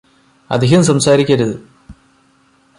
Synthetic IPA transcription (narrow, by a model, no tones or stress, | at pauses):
ɐ̰d̪ʱiɦɐmsɐmsaːɾikʲːɐɾuðɨ